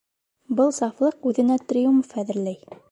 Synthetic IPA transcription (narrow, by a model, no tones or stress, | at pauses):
bɤlˠsɑflˠɤqʉðɘ̆næt̪rʲɪjumfæðɘ̆ɾlæj